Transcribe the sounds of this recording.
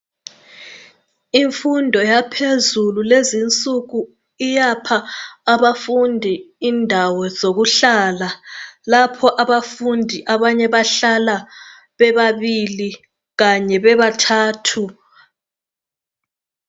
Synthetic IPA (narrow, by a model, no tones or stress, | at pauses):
iɱfundʱɔjapʰezululezint͡sʼuɣu | ijapʰaːβafundʱi | indʱawɔzoɣuɬaːlalapʰɔʔaβafundʱiʔaβaɲɛβaɬala | βɛβaβili | ɣaɲɛβɛβatʰaːtʰu